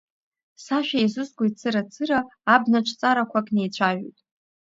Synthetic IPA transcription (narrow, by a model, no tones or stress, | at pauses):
saʃᶣajzɨzɡʷojt͡sʰɨɾat͡sʰɨɾaːbnaʈ͡ʂʷʰt͡sʼaɾakʷʰakʼne̞jt͡ɕʷʰaʒᶣo̰tʼ